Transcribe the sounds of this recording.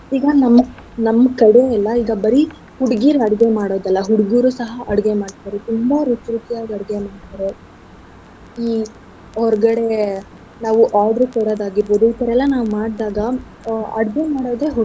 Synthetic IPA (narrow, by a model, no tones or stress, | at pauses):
iːɡɐnɐmː | nɐmːɐkɐɽeɐlːɐiːɡɐbɐɾi | huɽɡiːɾuɐɽɡe̞maːɽoːd̪ɐlːɐɦuɽɡiːɾusɐɦɐʔɐɽɡemaːɽt̪aɾet̪umbɐɾut͡ʃɾut̪ijaːɡɐɽɡemaːɽt̪aːɾe | iː | ɔɾɡɐɽe̞ | naːʋuʔaːɾɖɐɾkoɽoːd̪aːɡiɾboːd̪uip̪ɐɾɛlːɐnaːʋumaːɽd̪aːɡɐ | ɐɽɡe̞maːɽoːd̪e̞ːɦu